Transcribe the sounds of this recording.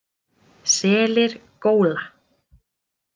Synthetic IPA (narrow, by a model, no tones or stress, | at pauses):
sɛːlɪɾ̥koːwla